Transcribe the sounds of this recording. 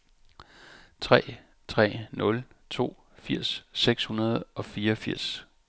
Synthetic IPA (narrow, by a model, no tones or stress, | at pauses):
t͡sʰʁɛ̰ː | t͡sʰʁɛ̰ːnɔ̽l | t͡sʰo̝̰ː | fiɐ̰sːeɡ̥shunɐð̞̩ˠʔɒ̽fiːɐɒfiɐ̰s